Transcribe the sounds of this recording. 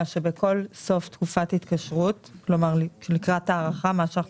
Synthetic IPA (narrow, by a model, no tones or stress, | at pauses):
aʃe̞beko̞lso̞ftkufathit̪kaʃʁutklo̞maʁlʃelikʁataːʁaχamaʃ